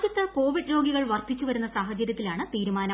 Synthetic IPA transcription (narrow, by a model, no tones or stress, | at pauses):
d͡ʑjɐt̪ːɐko̞ːʋiɖɾo̞ːɡiɣɐɭʋɐrt̪ʰːit͡ɕːuʋɐɾunːɐsaːɦɐt͡ɕɐɾʲjɐt̪ːilaːɳɨt̪iːɾumaːnɐ